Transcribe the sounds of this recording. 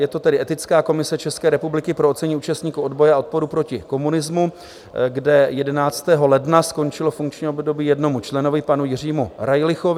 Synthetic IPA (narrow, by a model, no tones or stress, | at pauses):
jɛt̪o̞t̪ɛdɪʔɛt̪ɪt͡skaːko̞mɪsɛt͡ʃɛskɛːɾɛpublɪkɪpɾoot̪t͡sɛɲiʔuːt͡ʃast̪ɲiːkuo̞dbo̞jɛao̞t̪̚po̞ɾupɾo̞cɪko̞munɪzmu | ɡdɛjɛdɛnaːt͡st̪ɛːɦo̞lɛdnasko̞nt͡ʃɪlo̞fuŋkt͡ʃɲiːobdo̞biːjɛdno̞mut͡ʃlɛnovɪpanujɪr̝iːmuɾajlɪxovɪ